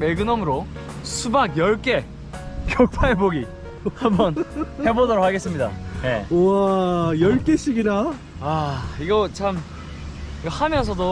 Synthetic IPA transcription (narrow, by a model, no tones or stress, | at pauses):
meɭɡɯnʌmɯɾo | sʰubaɡjʌɭk͈e̞ | kjʌk̚pʰaeboɡi | hambʌnhe̞bodʌɾok̚haɡe̞s͈ɯmɲida̰ne̞ajʌɭk͈e̞ɕ͈ʰiɡina | aiɡʌt͡ɕʰam | iɡʌhamjʌnsʰʌdo